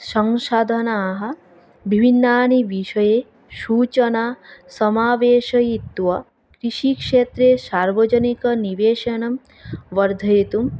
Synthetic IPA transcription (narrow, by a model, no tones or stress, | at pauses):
sɐŋʃaːd̪ʱɐnaːɦɐ̆ | bʱibʱinːaːniʋiʃɐjeː | ʃuːt͡ʃɐnaːsɐmaːʋeːʃɐjit̪ʋɐ | kɾiʃikʂeːt̪ɾeːsaːɾʋɐd͡ʒɐnikɐniʋeːʃɐnɐm | ʋɐɾd̪ʱɐjit̪um